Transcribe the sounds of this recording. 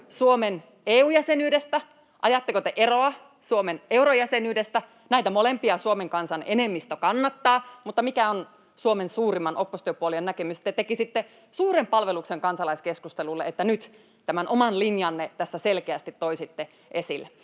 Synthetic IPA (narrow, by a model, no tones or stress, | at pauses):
suomen | eːuːjæsenyːdest̪æ | ʔɑjɑt̪ːekot̪eʔeroɑ | suomeneurojæsenyːdest̪æ | næit̪æmolempiɑsuomeŋkɑnsɑnenemːist̪økɑnːɑt̪ːɑːmut̪ːɑmikæon | suomensuːrimːɑnʔopːost̪yøpuoliennækemyst̪ːet̪ekisit̪ːe | suːrempɑlʋelukseŋkɑnsɑlɑiskeskust̪elulːeet̪ːænyt̪ | t̪æmænʔomɑnlinjɑnːet̪æsːæselkeæst̪it̪toisit̪ːe | ʔesilːæ